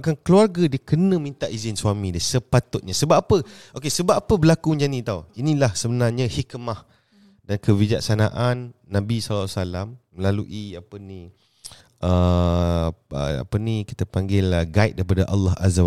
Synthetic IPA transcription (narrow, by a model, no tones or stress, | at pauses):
kankəluarɡadiəkənə̃mĩnt̪aʔizɪnswamĩdiəsəpat̪ʊt̪̚ɲasəbapːapəʔokesəbapapəbəlakuɲd͡ʒanĩt̪auinĩlahsəbənarɲə̃hikmah | dankəvid͡ʒaksana̰ʔanːãbisalsalamːəlaluʔiapəni | ʔə | ə̰a̰pəniki̥t̪əpaŋɡɪləɡait̪̚daɾipadaʔɑ̰lːɑɦa̰zaw